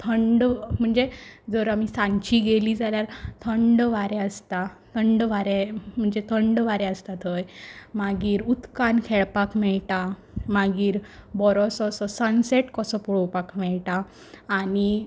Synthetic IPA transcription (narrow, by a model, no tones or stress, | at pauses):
t̪ʰəɳɖm̤əɳd͡zed͡zəɾamisãɲt͡ɕiɡeliːd͡zaljaɾt̪ʰəɳɖʋaɾɛəst̪at̪ʰəɳɖʋaɾem̤əɳd͡zet̪ʰəɳɖʋaɾɛəst̪at̪əjmaɡiːɾut̪kankʰɛɭpakmɛɭʈa | maɡiːɾbɔɾɔsɔsɔsənseʈkɔsɔpuɽopakmɛɭʈaː | ni